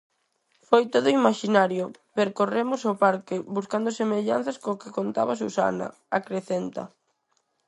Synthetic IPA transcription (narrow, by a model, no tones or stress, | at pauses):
fojt̪oðʊimaʃinaɾjo | peɾkoremʊsopaɾkɪβuskand̪osemeʎa̰n̟θɐskokɪkont̪a̰βas̬usa̰nɐ̰ | akɾeθent̪ɐ̰